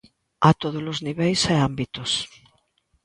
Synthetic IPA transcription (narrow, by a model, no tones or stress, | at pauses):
at̪oð̞olozniβejsɛambit̪os